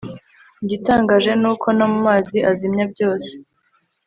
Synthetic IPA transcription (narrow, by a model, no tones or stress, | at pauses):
ɲɟitaːŋɡaːʒe̞nuːkʰo̞nomumaːziʔazimɲab̚ɟo̞ːse̥